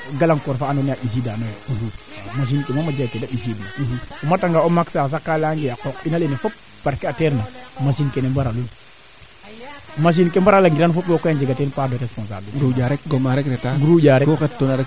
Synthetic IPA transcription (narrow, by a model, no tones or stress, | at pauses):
ɡalaŋkɔɾfaːnɔnaɓis̬idanoj | maʃ̬inkemamad͡ʒakedaɓis̬idiumataŋɡaomaksas̬akːalaŋɡejakɔkinalenefɔp̚ | b̥aɾkeateɾnamasinkenembaɾalun | maʃ̬inkembaɾalaŋɡiɾanfoplɔkɔjand͡ʒeɡatenpadoɾespɔns̬a̰bliɾud͡ʒaɾɛk̚ɡomaɾɛkɾɛtaɡuɾuɟaɾekoxɛttonaɾɛ